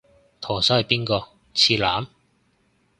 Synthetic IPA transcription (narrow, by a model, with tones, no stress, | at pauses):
t̪ʰɔː˨˩sɔː˨˥hɐ˨jpiː˥nkɔː˧ | t͡sʰiː˧laː˨˥m